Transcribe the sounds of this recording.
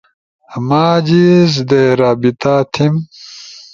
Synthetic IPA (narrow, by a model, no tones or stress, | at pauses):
maːd͡ʑizd̪eɾaːbit̪at̪ʰim